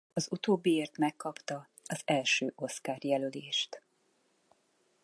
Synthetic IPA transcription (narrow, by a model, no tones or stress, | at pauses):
ɒzut̪oːbːieːrt̪mɛkːɒpt̪ɒ | ɒzɛlʃøːʔo̞skaːrjɛløleːʃt̪